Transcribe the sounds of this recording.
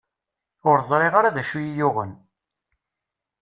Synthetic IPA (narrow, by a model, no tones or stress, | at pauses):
ʊɾzˤɾˤeʁaɾaðæʃujijʊʁə̰n